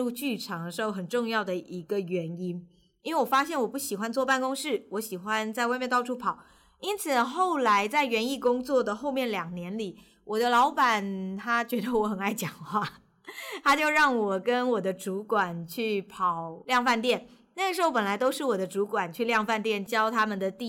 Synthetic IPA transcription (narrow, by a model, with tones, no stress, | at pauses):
u˥˧t͡ɕy˥˩ʈ͡ʂʰɑ˧˥ŋd̪ə˧˩ʂɻ̩˧˥xo˥˩ʊxə˨˩nʈ͡ʂʊ˥˧ŋjɑ˥˩ʊd̪ə˩ʔi˧˥ɡə˧ɥɛ˧˥ni˥n | i˥nwe˥˩ɪwɔ˨˩fa˥ɕjɛ˥˩nwɔ˨˩pu˥˩ɕi˨˩xwa˥nt͡swɔ˥˧pa˥˩nkʊ˥ŋʂɻ̩˥˩wɔ˧˥ɕi˨˩xwa˥nt͡sa˥˧ɪwmjɛ˥˧nt̪ɑ˥˧ʊʈ͡ʂʰu˥pʰɑ˨˩˦ʊ | i˥nt͡sʰɹ̩˨˩xo˥˩ʊla˧˥ɪt͡sa˥˩ɪɥɛ˧˥ni˥˩kʊ˥ŋt͡swɔ˥˩d̪ə˩xo˥˧ʊmjɛ˥˩nljɑ˨˩ŋnjɛ˧˥nli˨˩˦ | wʔɔ˨˩d̪ə˦lɑ˧˥ʊpa˨˩nt̪ʰa˥t͡ɕɥɛ˧˥d̪ə˧wɔ˧˥xə˨˩na˥˩ɪt͡ɕjɑ˨˩ŋxwa˥˩ | t̪ʰa˥t͡ɕjo˥˧ʊɻɑ˥˩ŋwɔ˨˩kə˥nwɔ˨˩d̪ə˦ʈ͡ʂu˧˥kwa˨˩nt͡ɕʰy˥˩pʰɑ˨˩ʊljɑ˥˧ŋfa˥˧nt̪jɛ˥˩n | na˥˩ɡə˩ʂɻ̩˧˥xo˥ʊpə˨˩nla˧˥ɪt̪o˥ʊʂɻ̩˥˩wɔ˨˩d̪ə˦ʈ͡ʂu˧˥kwa˨˩nt͡ɕʰy˥˧ljɑ˥˧ŋfa˥˧nt̪jɛ˥˩nt͡ɕjɑ˥ʊt̪ʰa˥mə˨nd̪ə˩t̪i˥˩